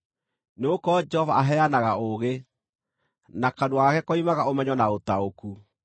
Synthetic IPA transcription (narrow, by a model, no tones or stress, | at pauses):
neokɔd͡ʒɛhɔvaaɦɛanaɣaoɣe | nakadoaakɛkɔimaɣaomɛɲɔnaotaoku